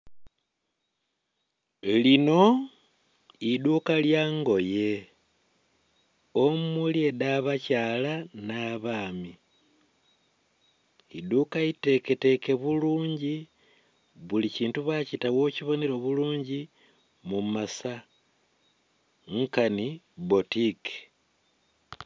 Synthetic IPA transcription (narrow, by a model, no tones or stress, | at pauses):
lino̞ | idukaljaːŋɡo̞je̞ | omulje̞daβacalanaβaːmi | ḭdukaite̞ke̞te̞ke̞βuluːɲɟi | βuliciːntuβacitawo̞ciβo̞neɾo̞βuluːɲɟi | mumasa | ŋkani | botike̥